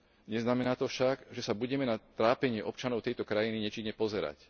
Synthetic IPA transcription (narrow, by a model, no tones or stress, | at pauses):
ɲɛznamɛnaːt̪ɔfʃaɡʒɛsabuɟɛmɛnat̪ɾaːpɛɲɪɛʔɔp̚t͡ʃanɔʊɛjt̪ɔkɾajiniɲɛt͡ʃiɲːɛpɔzɛɾa̰c